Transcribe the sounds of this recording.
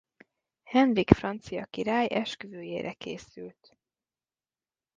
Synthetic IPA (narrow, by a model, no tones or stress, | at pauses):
hɛnrikfrɒnt̪sijɒkiɾaːjʔɛʃkøzøːjeːɾʔɛkeːsylt̪